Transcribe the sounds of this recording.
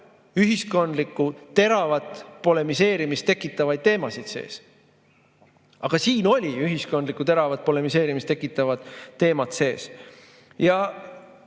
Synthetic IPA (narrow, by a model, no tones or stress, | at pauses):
yɦisko̞nd̪likːˑut̪e̞ɾɑvɑt̪po̞le̞mise̞ːɾimist̪e̞kːˑit̪ːˑɑvɑjd̪̥̚t̪e̞ːmɑsid̪̥se̞̰ːs | ɑɡ̥ɑsiːno̞lʲiyɦisko̞nd̪likːˑut̪e̞ɾɑvɑt̪̚po̞le̞mise̞ːɾimist̪ekːˑit̪ːˑɑvɑd̪ːe̞ːmɑt̪se̞ːs | jɑ